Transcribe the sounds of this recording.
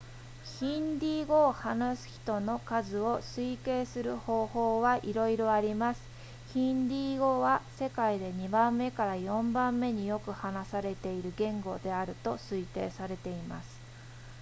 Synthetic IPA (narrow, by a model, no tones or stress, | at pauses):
çĩnd̪ʲiːɡo̞ːhanasɨ̥çi̥t̪o̞no̞kazɨo̞sɨike̞ːsɨɾɯ̟ho̞ːho̞ːβaʔiɾo̞iɾo̞aɾʲimasɨ̥ | çĩnd̪ʲiːɡo̞βase̞kaid̪e̞ɲ̟ibãmːe̞kaɾajõ̞mbãmːe̞ɲ̟ijo̞kɯ̟hanasaɾe̞t̪e̞iɾɯ̟ɡẽ̞ŋɡo̞d̪e̞aɾɯ̟t̪o̞sɨit̪e̞ːsaɾe̞t̪e̞ima̰sɨ̥